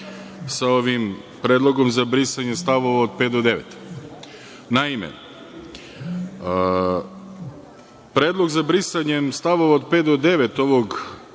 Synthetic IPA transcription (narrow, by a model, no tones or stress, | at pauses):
sao̞ʋim | pɾe̞ːd̪lˠo̞ɡo̞mzabɾisaɲest̪aʋo̞ʋaod̪̚peːt̪d̪od̪e̞ʋḛt̪ | naimḛ | pɾeːd̪lˠo̞ɡzabɾisaɲemst̪aʋo̞ʋaod̪̚peːt̪d̪od̪e̞ʋet̪o̞ʋo̞ɡ